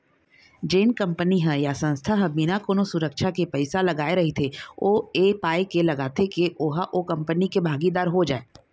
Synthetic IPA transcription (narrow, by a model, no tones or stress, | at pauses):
d͡ʒeːnkɐ̃mpəniɦɛ̃jasɐ̃nst̪ʰaɦɛ̃binakoːnosʊɾəkʃakepɛɪsalɐɡaːeɾɐɦit̪ʰeoːeːpaːekelɐɡaːt̪ekeʔoːɦaʔokɐ̃mpənikebʱaːɡid̪aːɾɦod͡ʒaːeː